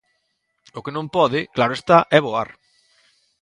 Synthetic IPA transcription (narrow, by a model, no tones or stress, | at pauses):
ʊkenõmpɔðɪklaɾʊest̪aʔɛβoa̰ɾ